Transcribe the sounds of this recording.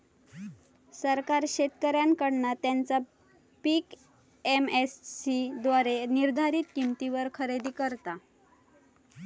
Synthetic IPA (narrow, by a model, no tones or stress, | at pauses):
səɾkaɾɕet̪kəɾjankəɽnat̪jant͡sa | pik | emessid̪ʋaɾeniɾd̪ʱaɾit̪̚kimt̪iʋəɾkʰəɾed̪iːkəɾt̪a